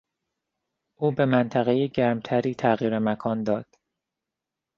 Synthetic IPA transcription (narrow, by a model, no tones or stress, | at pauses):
ʔuːbe̞mænt̪ʰæɣejeɟæɾmt̪ʰæɾiːt̪ʰæɣiːɾemækʰɒːnd̪ɒːd̪̥